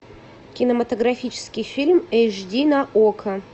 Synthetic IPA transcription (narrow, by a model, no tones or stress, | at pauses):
kʲɪnəmɐt̪əɡɾɐfʲit͡ɕɪ̥skʲɪjfʲilʲmɛjʐdʲinaʔokʰɐ